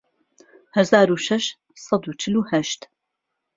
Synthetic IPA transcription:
hɐzaːɾuʃɐʃ | sɑd̪uːt͡ʃʰɪluːhɐʃt̪

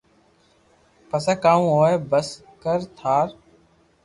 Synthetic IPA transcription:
pəsaːkaːũːɦoːeːbəs | kəɾt̪ʰaːɾ

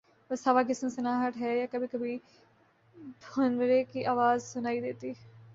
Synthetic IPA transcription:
bəsaʋaːkɪsmsɪnaːɦəʈɦɛːjaːkəbʱiːkəbʱi | d̪ʱonʋəɾeːkiːʔaːʋaːzsʊnaːiːd̪eːt̪iː

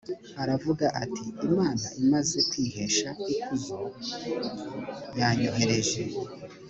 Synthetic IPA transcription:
aɾavuɡaʔatʰiimaːnaʔimaze̞kwiːɦe̞ʃaikuzo | jaɲoɦeɾe̞ʒe

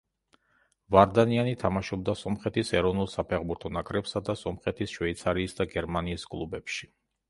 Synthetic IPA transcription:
vaɾd̪anianit̪ʰamaʃɔb̚d̪asɔmχɛt̪ʰisɛɾɔvnulˠsapʰɛʁbuɾt̪ʰɔnakʼɾɛpsad̪asɔmχɛt̪ʰisʃwvɛit̪sʰaɾiːsd̪aɡɛɾmaniːskʼlˠubɛpʃi̥

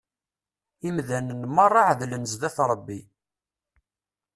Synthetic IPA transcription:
imðænənmɑrˤːɑʕðlənzðæθɾˤbːi

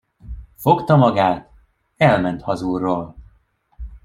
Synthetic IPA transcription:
fo̞kt̪ɒmɒɡaːt̪ | ɛlmɛnt̪hɒzuːrːoːl

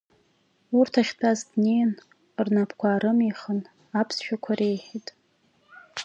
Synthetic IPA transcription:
urtʰaχʲtʰʼazdnejn | rnapʰkʷʰaːɾɨmiχən | apʰsʃᶣakʷʰaɾe̞jħitʼ

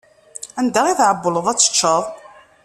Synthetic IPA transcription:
ænd̪aʁiθʕəbːələðˤæt͡sːə̥t͡ʃːəðˤ

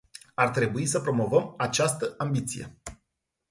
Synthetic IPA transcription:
art̪ɾe̞buisəpɾo̞mo̞vəmat͡ʃast̪əambit̪sḭje̞̰

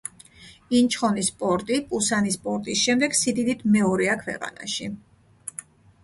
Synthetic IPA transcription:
int͡ʃʰχɔnispʼɔɾt̪ʼipʼusanispʼɔɾt̪ʼisʃɛmd̪ɛɡsid̪id̪it̪ʰmɛɔɾɛakʰwɛ̰qʼa̰na̰ʃi

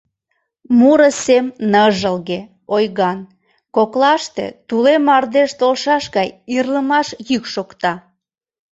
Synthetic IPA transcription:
muɾəsemnəʒəlɣe | ojɣɑn | koklɑʃt̪ḛt̪ulemɑrd̪eʃt̪olʃɑʃɣɑjirləmɑʃjykʃokt̪ɑ

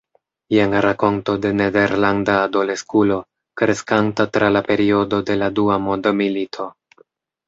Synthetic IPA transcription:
jenɾako̞nto̞de̞ne̞de̞ɾlandaːdo̞le̞skulo̞ | kɾe̞skantatɾʔalape̞ɾio̞do̞de̞laduamo̞ndomilitʰo̞

